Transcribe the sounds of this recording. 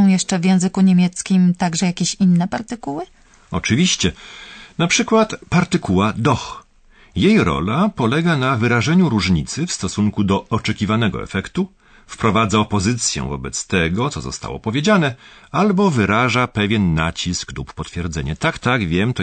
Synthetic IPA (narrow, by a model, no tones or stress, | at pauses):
ɔ̃w̃jɛʂt͡ʂɛvʲjɛ̃w̃zɘkuɲemʲjɛt̪skʲimt̪aɡʐɛjakʲeɕinːɛpaɾt̪ɘkuwɘ | ɔt͡ʂɘvʲiɕt͡ɕɛnapʂɘkwat̪paɾt̪ɘkuwad̪ɔx | jejɾɔ̰lapɔlɛɡanavɘɾaʐɛɲuɾuʐɲit̪sɘfst̪ɔsuŋkud̪ɔɔt͡ʂɛkʲivanɛɡɔ̰ɛ̰fɛkt̪u | fpɾɔvad̪zaɔpɔzɘt̪sʲjɛ̰̃vɔ̰bɛt̪st̪ɛɡɔt̪sɔzɔ̰st̪a̰wɔ̰pɔvʲjed͡ʑanɛalbɔvɘɾaʐapɛvʲjɛnːa̰t͡ɕiskluppɔt̪fʲjɛɾd̪zɛɲɛt̪akt̪aɡvʲjɛmt̪